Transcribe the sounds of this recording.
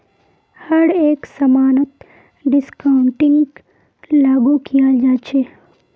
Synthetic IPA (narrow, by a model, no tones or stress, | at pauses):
hɐɾeːksɐmaːnət̪ | ɖɪskaʊɳʈɪ̃ŋɡ | laːɡukijad͡ʒaːt͡ʃʰeː